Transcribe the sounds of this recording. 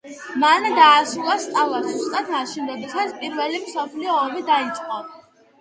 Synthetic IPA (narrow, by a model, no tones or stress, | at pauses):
mand̪aːsulˠast̪ʼalˠazust̪ʼat̪ʰmaʃinɾɔd̪ɛsat̪sʰpʼiɾvɛlimsɔpʰliɔːmid̪ait̪sʼqʼɔ